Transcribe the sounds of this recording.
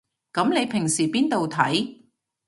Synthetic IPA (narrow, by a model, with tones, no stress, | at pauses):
kɐ˨˥mne˨˧jpʰɪ˨˩ŋsiː˨˩piː˥nt̪o˨wt̪ʰɐ˨˥j